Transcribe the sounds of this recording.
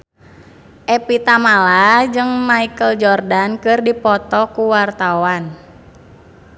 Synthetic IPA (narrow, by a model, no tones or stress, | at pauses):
ʔɛpit̪amalad͡ʒɨŋmaikəld͡ʒɔrdankɨrdipɔt̪ɔkuwart̪awan